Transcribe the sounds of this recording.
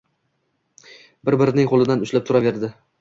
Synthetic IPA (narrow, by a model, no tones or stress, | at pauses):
bɪɾbɪɾɪnɪŋqʰolˠɪd̪anʊt͡ʃlap̚t̪ʰʊɾave̞ɾd̪ɪ